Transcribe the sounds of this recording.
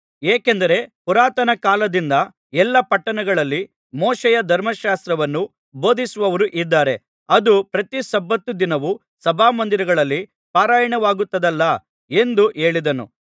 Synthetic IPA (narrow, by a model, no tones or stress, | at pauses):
eːkend̪ɐɾe̞puɾaːt̪ɐnɐkaːlɐd̪ind̪ɐ | ɛlːɐpɐʈːɐnɐɡɐɭɐlːi | mɔːʃɛjɐd̪ʱɐɾmɐʃaːst̪ɾɐʋɐnːu | bo̞ːd̪isuʋɐʋɐɾuʔid̪ːaːɾe̞ | ɐd̪upɾɐt̪iʃɐbːɐt̪ːud̪inɐʋu | sɐbʱaːmɐnd̪iɾɐɡɐɭɐlːi | paːɾaːjɐɳɐʋaːɡut̪ːɐd̪ɐlːɐ | e̞nd̪uʔe̞ːɭid̪ɐnṵ